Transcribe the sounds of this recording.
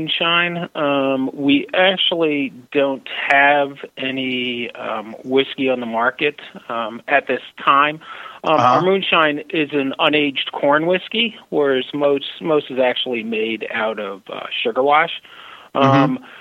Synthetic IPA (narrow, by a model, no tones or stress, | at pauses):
nʃãɪ̃nʌ̃wiʔæk̚t͡ʃul̩ˠidõʊ̃nt̚hɨvʔɛni | wɪskiə̃nðəmɑɹkɨɾ | ɨt̪̚ðɪstʰãɪ̃m | ə˞mʉ̃nʃãɪ̃nɪzɨ̃nə̃neɪd͡ʒkʰɔɹnwɪskiwə˞zmoʊsmoʊstɨzæk̚t͡ʃul̩ˠimeɪɾa̰ʊɾʌv̥ʌ̰ʃʊɡə˞wɑʃ | m